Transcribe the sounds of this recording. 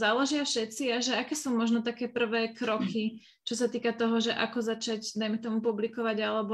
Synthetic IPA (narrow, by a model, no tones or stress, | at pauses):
zaːlɛʒɪafʃɛt̪t͡siaʒɛakɛːsuːmɔʒnɔt̪akɛːpr̩ʋɛːkɾɔki | t͡ʃɔsat̪iːkat̪ɔɦɔʒɛʔa̰kɔzat͡ʃaɟd̪ajmɛt̪ɔmupublikɔʋaɟalɛbɔ